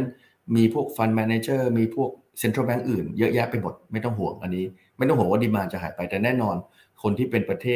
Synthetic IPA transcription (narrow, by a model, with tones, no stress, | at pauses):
n | miː˧pʰu˥˩ək̚fa˧nmɛː˧neː˧t͡ɕɤː˥˩miː˧pʰu˥˩ək̚ | se˧nt̪ʰɾəː˥˩bɛ˦˥ŋʔɯː˨˩njɤ˦˥jɛː˦˥k̚pa˧jmo˨˩t̪̚ma˥˩jt̪ɔ˥˩ŋɦu˨˩˦əŋʔa˧nːiː˦˥ | ma˥˩jt̪ɔ˥˩ŋɦu˩˦ŋwaː˥˩diː˧maː˧nt͡ɕa˨˩ɦaː˩˦jpa˧jt̪ɛː˨˩nɛː˥˩nɔː˧n | kʰo˧nt̪ʰiː˥˩pe˧npɾa˧t̪ʰeː˥˩